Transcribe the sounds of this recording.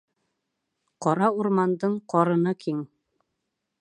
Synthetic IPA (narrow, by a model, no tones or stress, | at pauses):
qɒɾɑuɾmɑnd̪ɤɴqɒɾɤ̆nɤkʰiŋ